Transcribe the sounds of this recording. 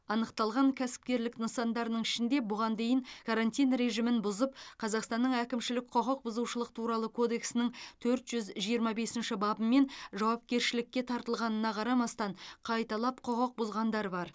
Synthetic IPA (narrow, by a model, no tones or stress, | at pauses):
ɑnəqt̪ɑlˠʁɑŋkʲʰæsɪ̥p̚kʲe̞ɾlɪknəsɑnd̪ɑɾənəɴɪʃɪnd̪e̞bʊʁɑnd̪e̞jɪŋkʰaɾanʲt̪ʲijnɾe̞ʒimɪnbʊzəp̚qʰɑzɑqst̪ɑnːəɴækʲɪmʃɪlɪk̚ʲqʰoʁəq̚bʊzuʃəlˠəqt̪ʰuɾɑlˠəkʰo̞d̪e̞ksɪnɪŋt̪ʰɵɾt̪ʒ̥ʏzʒijəɾmɑbe̞sɪnʃɪbɑbəmːe̞nʒɑwɑp̚kʲe̞ɾʃɪlɪkʲːe̞t̪ʰɑɾt̪əlˠʁɑnənɑqʰɑɾɑmɑst̪ɑɴqʰɑjt̪ɑlˠɑpqʰoʁəq̚bʊzʁɑnd̪ɑɾəbɑɾ